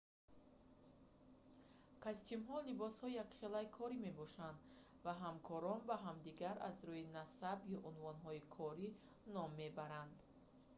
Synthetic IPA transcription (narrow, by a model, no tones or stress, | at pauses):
kʰast̪ʰimɦɔlibɔshɔijakχelaikʰɔɾime̞bɔʃand̪ | vaɦamkʰɔɾɔnbaɦamd̪iɡaɾʔa̰zɾuinasabjɔʔunvɔnɦɔikʰɔɾi | nɔmːebaɾand̪